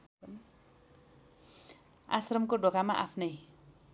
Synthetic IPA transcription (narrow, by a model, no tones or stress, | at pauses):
a̰srəmkoɖokamaʔapʰnaj